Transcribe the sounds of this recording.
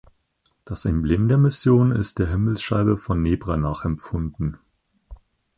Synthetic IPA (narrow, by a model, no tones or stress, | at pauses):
d̥asɛmblɪːmdeːɐmɪsjoːnɪ̰st̚d̥eːɐɦɪml̩sʃaɪbəfɔnːeːbʁanaːχɛmp͡fʊndn̩